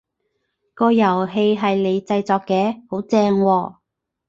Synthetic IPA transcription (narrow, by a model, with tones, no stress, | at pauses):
kɔː˧jɐ˨˩wɦe˧jɦɐ˨jle˨˧jt͡sɐ˧jt͡sɔː˨˧kːɛː˨˧ho˨˥wt͡sɛː˧ŋwɔː˧